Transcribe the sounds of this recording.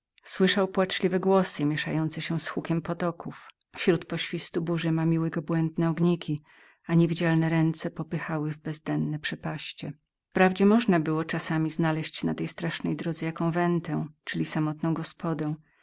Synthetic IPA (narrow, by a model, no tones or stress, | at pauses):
swɘʂawpwat͡ʂlʲivɛɡwɔsɘmʲjɛʂa̰jɔnt̪sɛɕɛsxukʲɛmpɔt̪ɔkuf | ɕɾut̪pɔɕfʲist̪ubuʐɘmamʲiwɛɡɔbwɛnd̪nɛɔɡɲikʲi | aɲevʲid͡ʑalnɛɾɛnt̪sɛpɔpɘxawɘvbɛzd̪ɛnːɛpʂɛpaɕt͡ɕɛ | pɾavd͡ʑɛmɔʐnabɘwɔt͡ʂasamʲiznalɛɕt͡ɕnat̪ɛjst̪ɾaʂnɛjd̪ɾɔd̪zɛjakɔ̃w̃vɛnt̪ɛ̃t͡ʂɘlʲisamɔt̪nɔ̃w̃ɡɔspʰɔd̪ɛw̃